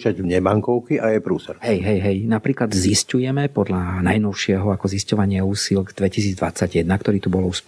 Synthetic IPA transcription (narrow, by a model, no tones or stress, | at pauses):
t͡ʃaɟmɲɛmaŋkɔʊkiʔajɛpɾuːsɛɾɦɛjɦɛjɦɛjnapɾiːklad̪ziscujɛmɛpɔd̪ʎanajnɔʊʃɪɛɦɔakɔziscɔʋaɲɪauːsilɡd̪ʋɛcisiːd͡zd̪ʋa̰t͡saɟjɛd̪nakt̪ɔɾiːt̪ubɔlusp